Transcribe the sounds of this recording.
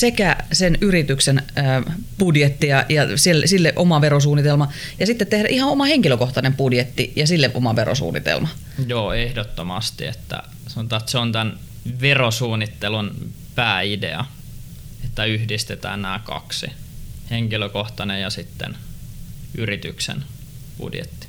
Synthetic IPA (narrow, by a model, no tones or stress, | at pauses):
sekæsenyrit̪yksenəːpudjet̪ːijɑjɑsilsilːeʔomɑʋeɾos̬uːnːit̪elmɑjɑsit̪ːet̪t̪ːehɾæʔihɑomɑheŋkiløkoht̪ɑnempudjet̪ːijɑsilːeʔo̰mɑʋero̰sṵːnːḭt̪ḛlmɑ | joːehdot̪ːomɑst̪ḭḛt̪ːæ̰ | sɑnot̪ɑːt̪seont̪æn | ʋerosuːnːit̪ːelun | pæːidḛɑ | et̪ːæyhdist̪et̪æ̰ːnnæːkɑ̰ksḭheŋkiløkoht̪ɑnejɑsit̪ːḛn | yrit̪yksḛn | pṵdjḛt̪ːi̥